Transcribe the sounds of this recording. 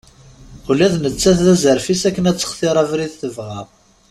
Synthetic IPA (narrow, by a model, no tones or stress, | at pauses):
ulæðnət͡sːæθðæzəɾfisækːənæt͡sːə̥χθiɾˤævɾiθθəvʁæʁ